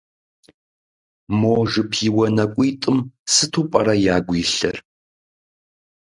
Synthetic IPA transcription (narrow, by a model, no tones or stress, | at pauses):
moːʒɨpʰiːwɐnɐkʷʼiːtʼɨmsɨtʰuːpʼɐɾɐjaːɡʷiːɬɐ̰r